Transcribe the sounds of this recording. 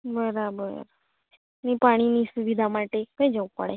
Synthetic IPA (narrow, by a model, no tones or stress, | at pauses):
bəɾabəɾ | nipaɽ̃inisuʋid̪ʱamaʈekəj̃d͡ʒəʋũpə̰ɽe